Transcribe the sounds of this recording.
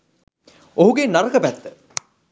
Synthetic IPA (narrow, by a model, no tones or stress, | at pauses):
oɦuɡenaɾəkəpæt̪ːə